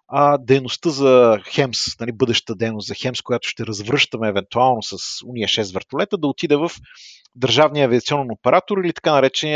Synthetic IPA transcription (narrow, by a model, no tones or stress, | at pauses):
ɐd̪ɛjnost̪ɤzɐxɛmsnɐlibɤd̪ɛʃt̪t̪əd̪ɛjnoszɐxɛmskoʊjat̪ʊ̥ʃt̪ɛɾɐzvɾɤʃt̪əmɛːvɛnt̪ualˠnosɐsuniəʃɛsvɛɾt̪olɛt̪əd̪ɐot̪id̪ɛvɐf | d̪əɾʒavnijəːviət̪siɔnɛnopɛɾʔat̪oɾilit̪ɐ̥kanɐɾɛt͡ʃɛniə